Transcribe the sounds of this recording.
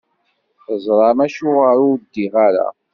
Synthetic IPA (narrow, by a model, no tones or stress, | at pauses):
θəzˤɾˤɑmæʃʊʁaɾʊd̪ːiʁaɾa̰